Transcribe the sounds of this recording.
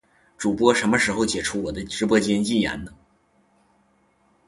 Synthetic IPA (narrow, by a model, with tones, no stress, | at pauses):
ʈ͡ʂu˨˩pwɔ˥ʂə˧˥nmə˧ʂɻ̩˧˥xo˧ʊt͡ɕjɛ˨˩ʈ͡ʂʰu˥wɔ˨˩d̪ə˦ʈ͡ʂɻ̩˧˥pwɔ˥t͡ɕjɛ˥nt͡ɕi˥˩ja̰˧˥nnə˧